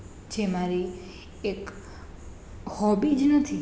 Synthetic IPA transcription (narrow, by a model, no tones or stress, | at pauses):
t͡ʃʰemaɾi | ek | hɔbid͡ʒnət̪ʰi